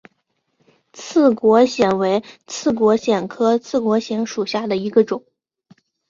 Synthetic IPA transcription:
t͡sʰɹ̩˥˩kwɔ˧˥ɕjɛ˨˩nwe˧˥ɪt͡sʰɹ̩˥˩k̬wɔ˧˥ɕjɛ˨˩nkʰɤ˥t͡sʰɹ̩˥˩kwɔ˧˥ɕi˧˥ŋʂu˨˩ɕja˥˩d̪ə˩i˧˥ɡə˧ʈ͡ʂʊ˨˩˦ŋ

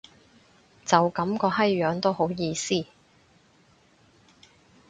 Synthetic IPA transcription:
t͡sɐ˨wkɐ˨˥mkɔː˧ɦɐ˥jːœː˨˥ŋt̪o˥who˨˥wjiː˧siː˥

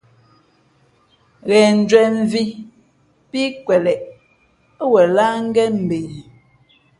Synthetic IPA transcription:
ɣɛ˨n̩˨d͡ʒwɛ˨ɱ˦vi˦ | pi˦kwɛ˨lɛ˨ʔ | wɛ˨la˦ŋ̩˦ɡɛ˦m̩˨be˨

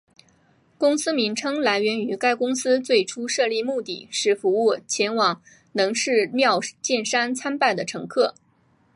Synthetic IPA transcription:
kʊ˥ŋsɹ̩˥mi˧˥ŋʈ͡ʂʰɤ˥ŋla˧˥ɪɥɛ˧˥ny˧˥ka˥ɪkʊ˥ŋsɹ̩˥t͡swe˥˩ɪʈ͡ʂʰu˥ʂɤ˥˧li˥˧mu˥˧t̪ḭ˥˩ʂɻ̩˥˩fu˧˥u˥˩t͡ɕʰjɛ˧˥nwɑ˨˩˦ŋ | nɤ˧˥ŋʂɻ̩˥˧mjɑ˥˧ʊt͡ɕjɛ˥˩nʂa˥nt͡sʰa˥npa˥˩ɪd̪ə˩ʈ͡ʂʰɤ˧˥ŋkʰɤ˥˩

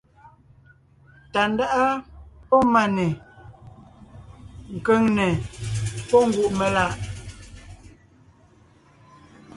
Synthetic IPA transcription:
ta˨n˦da˦ʔa˦pɔ˦ma˨nɛ˨ | ŋ̩˨kə˦ŋnɛ˨ | pɔ˦ŋ̩˦˨ɡwu˦˨ʔmɛ˨la˦˨ʔ

